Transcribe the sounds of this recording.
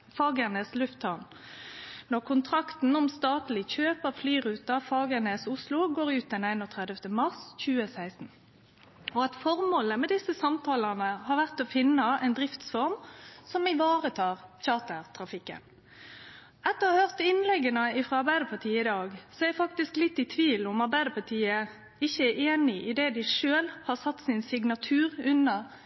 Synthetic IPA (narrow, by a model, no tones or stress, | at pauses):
fɑːɡæneːslʉft̪ɑn | nɔʁkʰʊnt̪ʰʁɑkt̪n̩ɔmst̪ɑːt̪lɪçøːpəʁflyːʁʉːt̪ɑfɑːɡæʁneːsʊslʊɡoːɾʉːt̪̚d̪ɛnæɪnɔt̪ʰʁɛd̪əft̪əmɑʁsçʉːəsæɪsn̩ | ɔɑt̪fɔʁmoːləmɛd̪ɪsəsɑmt̪ʰɑːlɑnəhɑʁʋæʁt̪ɔfɪnːəɛɪnd̪ʁɪft̪sfɔʁmsɔmɪʋɑːʁət̪ʰɑːʁçɑːt̪əʁt̪ʰɾɑfɪkːə̰n | ɑt̪ːəhøʁt̪ɪnlɛɡːənəɪfʁɑɑʁbæɪd̪əpʰɑʁt̪ʰiːəɪd̪ɑːɡsɔɛfɑkt̪ɪsklɪt̪ːɪt̪ʰʋiːlʊmɑʁbæɪd̪əpʰɑʁt̪ʰiːə | ɪçːəæeːnɪʔɪd̪ɛd̪ɪʂøːlhɑʁsɑt̪ːsɪnsɪɡnɑt̪ʰʉːʁʉnɑ